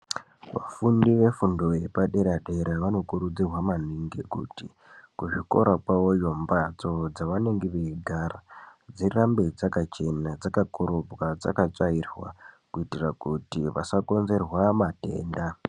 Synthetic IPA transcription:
ʋa̰fundiʋe̞fundo̞je̞paɗe̞ɾaɗe̞ɾaʋano̞kuɾud͡zirwaman̤iŋɡekṵti | kuʐiko̞̰ɾapawo̞jo̞mbat͡so̞d͡zaʋane̞ŋɡeʋeiɡʱarad͡zirambed͡zakat͡ʃe̞nad͡zakakoɾobwad͡za̰kat͡sairwa̰kuitirakutiʋa̰sako̞nze̞rwamate̞̰ːnda

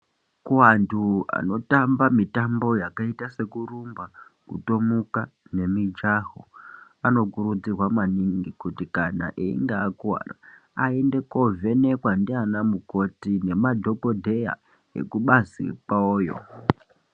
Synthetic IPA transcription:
kuwantʰua̰no̞tambamitambo̞jakaitase̞kurumbakṵto̞mukane̞mid͡ʒaɦo | ano̞kuɾud͡zirwamaniŋɡikutikana̰ʔeḭŋɡaːkuwa̰ra̰ | aende̞ko̞ve̞ne̞kwandianamuko̞tine̞madʱo̞ko̞dʱe̞ja̰ | ḛkuɓazḭpwaoːjo̰

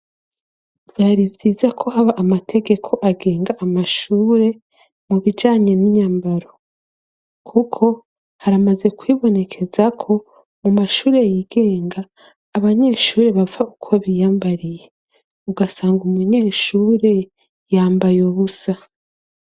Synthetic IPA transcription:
vjaːɾivɟiːzakʰo̞haβaʔamatʰe̞ɡe̞kʰo̞ʔaɡe̞ːŋɡaʔamaʃuːɾe̞ | muβid͡ʒaːɲe̞niɲaːmbaɾo̞ | kʰukʰo̞ | haɾamaze̞kwiβo̞ne̞kʰe̞zakʰo̞ | mumaʃuːɾe̞jiɡe̞ːŋɡaː | βaɲe̞ːʃuːɾe̞βavaukʰo̞βijaːmbaɾije̞ | uɡasaːŋɡumuɲe̞ːʃuːɾe̞ | jaːmbajoβusa

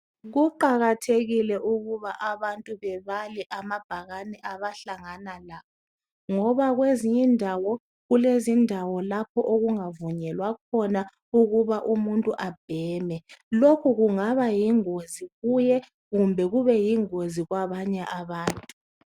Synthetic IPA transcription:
ɣuǃaɣatʰeɣilɛʔuɣuβaʔaβantʼuβɛβalɛʔamab̥ʱaɣanɛʔaβaɬaŋanalakʰɔ | ŋɔβaɣweziɲindʱawɔ | ɣulezindʱawɔlap̚ʰɔʔoɣuŋavuɲɛlwakʰɔna | uɣuβaʔumuntʼuʔab̥ʱɛːmɛlokʰuɣuŋaβajiŋoziɣujɛ | ɣumbʱɛɣuβɛjiŋoziɣwaβaɲɛʔaβaːntʼu

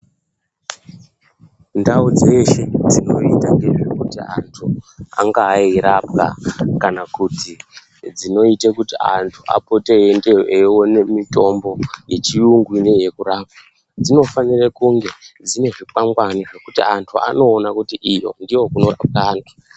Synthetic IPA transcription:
ndaud͡ze̞ʃe̞d͡zino̞itande̞ʐekutia̰ntʰua̰ŋɡairap̚ka̰kanakuti | d͡zino̞itekutia̰ntʰuʔa̰pote̞endeewo̞ne̞mito̞mbo̞je̞t͡ʃiuŋɡwineje̞kuraːp̚a | d͡zino̞fanirakuŋɡe̞d͡zine̞ʐik͡paŋɡwaniʐe̞kutiantʰua̰no̞ːnakutiʔijo̞̰ndiwo̞kuno̞ra̰p̚kaːna

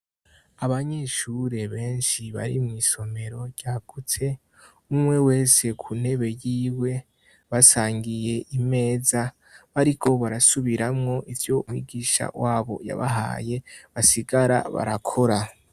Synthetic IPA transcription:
aβaɲeʃuɾe̞βe̞ːnʃiβa̰ɾimŋiːso̞me̞ɾo̞ɾɟ̥aːɡ̥ut͡se̞ | umŋe̞we̞ːse̞kʰun̥e̞βe̞jiːwe̞ | βasaːŋɡije̞ʔime̞ːza | βaɾikʰo̞βaɾasuβiɾamŋo̞ʔivjo̞umŋḭːɡiːʃa̰waːβo̞̰ja̰βa̰ɦa̰ːje̞βasiɡaɾa̰βa̰ɾakʰo̞ɾa

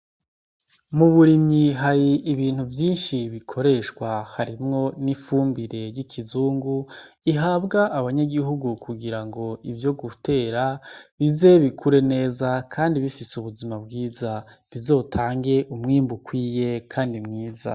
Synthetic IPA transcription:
muβuɾimɲiɦaɾiʔːβiːn̥huvjiːnʃiβikʰo̞ɾe̞ʃkwahaɾimŋo̞nifuːmbiɾe̞jicʰizuːŋɡuiɦaːbɡaʔːβaɲaɡiɦuɡukʰuɡiɾaŋɡo̞ivjo̞ɡute̞ːɾaβize̞βikʰuɾe̞ne̞ːzakʰaːndiβifiseuβuzimabɡiːza | βizo̞ːtʰaːŋɡe̞ʔumŋiːmbukwiːje̞kʰaːndimŋiːza̰

